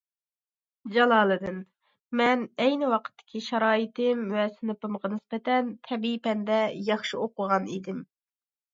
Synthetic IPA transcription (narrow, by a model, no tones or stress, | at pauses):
d͡ʒɑlˠɑːlˠɨd̪ɨn | mɛnɛjnɪwɑqʰə̥t̪ʰːɪ̥kʲʰiʃɑɾɑːit̪ɪmvɛsɪnɨpɨmʁɑnɪspɛt̪ɛnt̪ʰɛbipɛnd̪ɛjɑχʃioqʊʁɑnid̪ɪm